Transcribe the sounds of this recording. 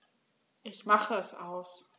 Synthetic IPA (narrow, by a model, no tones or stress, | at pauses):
ʔɪçmaχəɛsʔaʊs